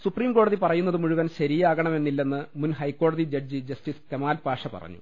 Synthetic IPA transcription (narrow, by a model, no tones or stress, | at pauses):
supriːmko̞ːɽɐðipɐrɐjun̪ːɐðɨmuɻuʋɐnɕɐɾijaːɣɐɳɐme̞nːilːe̞nːɨmunɦɐjkːo̞ːɽɐðid͡ʑɐd͡ʑɨd͡ʑɐstiskemaːlpaːʂɐpɐ̰rɐ̰ɲːṵ